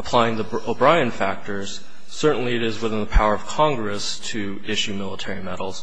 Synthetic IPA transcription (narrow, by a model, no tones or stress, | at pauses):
əpʰl̥aɪɪ̃ŋði | oʊbɹaɪɨ̃nfæk̚tə˞z̥ | sɜ˞ʔn̩liɨɾɪzwəθɪ̃nðəpʰaʊə˞ʌv̥kʰɑ̃ŋɡɹɨstʰɨ | ɪʃʉmɪlˠətʰɛɹimɛɾl̩ˠz̥